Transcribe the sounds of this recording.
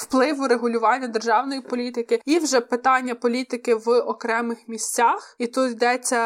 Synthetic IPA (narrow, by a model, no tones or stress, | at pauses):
wplˠɪʋʊɾeɦʊlʲʊʋɑnʲːɐd̪erʒɑwnɔjipɔlʲit̪ɪkɪiwʒɛpɪt̪ɑnʲːɐpɔlʲit̪ɪkɪʋɔkɾɛmɪxmʲisʲt͡sʲaxit̪ut̪jd̪ɛt͡sʲːɐ